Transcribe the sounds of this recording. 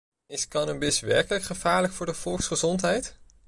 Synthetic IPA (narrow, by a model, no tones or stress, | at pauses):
ɪskɑnəmbɪsʋɛɹkələkχəv̥aːɹləkfʊːɹdəvɔlˠksχəzɔntɦɛjt